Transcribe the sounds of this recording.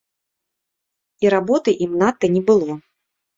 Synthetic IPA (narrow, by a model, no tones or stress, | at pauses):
iɾabɔt̪ɨʔimnat̪ːɐnʲɛbɨlˠɔ